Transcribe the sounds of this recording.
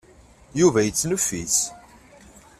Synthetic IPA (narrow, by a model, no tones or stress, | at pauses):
juvæjət͡sːnəfːis